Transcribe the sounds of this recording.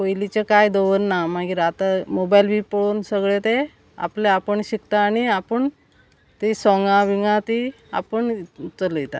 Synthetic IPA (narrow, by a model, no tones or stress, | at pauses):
ojlit͡ɕekajd̪oʋənːamaɡiːɾat̪amobajlbʱipəɭoːnsəɡɭet̪e | a̰pleapəɳɕikt̪aːɽ̃iapəɳ | t̪isɔŋɡãʋiŋɡãt̪i | a̰pəɳt͡sələet̪a̰